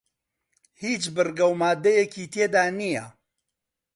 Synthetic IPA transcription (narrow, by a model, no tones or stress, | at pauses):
hiːt͡ʃbɨrɡɐwmaːd̪ɐjeciːt̪ʰeːd̪aːnijɐ